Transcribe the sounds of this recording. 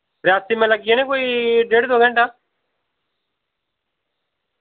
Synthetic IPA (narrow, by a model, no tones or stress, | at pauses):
ɾjaːst̪iːmɛ̃ːləɡiãːnẽːkoːiːɖeːɖd̪oːɡə̃ɳʈaː